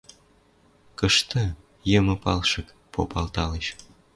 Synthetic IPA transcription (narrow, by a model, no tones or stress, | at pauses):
kəʃt̪ə | jəmə̆pɑlʃɤ̆k | pʰo̰pɑlt̪ɑleʃ